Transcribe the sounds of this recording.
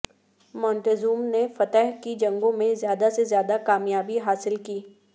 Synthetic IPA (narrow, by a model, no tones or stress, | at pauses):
mɔ̃ːɳʈezuːmnefɐt̪ɛɦkid͡ʒɐ̃ŋɡõmẽzjaːd̪asezjaːd̪akaːmjaːbiɦaːsɪlkiː